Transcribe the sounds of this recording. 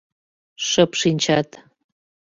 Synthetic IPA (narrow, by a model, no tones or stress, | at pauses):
ʃəpʃinʲt͡ɕɑt̪